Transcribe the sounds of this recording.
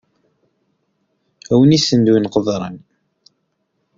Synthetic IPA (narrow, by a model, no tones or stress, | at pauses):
æwənisənd̪winqəðˤɾˤə̰n